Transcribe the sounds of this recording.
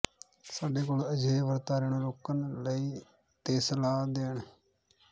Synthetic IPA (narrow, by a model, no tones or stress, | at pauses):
saːɖeːkoːləd͡ʒeːʋəɾt̪aːɾeːɳõːɾoːkənləiː | t̪eːsəlaːd̪eːɳ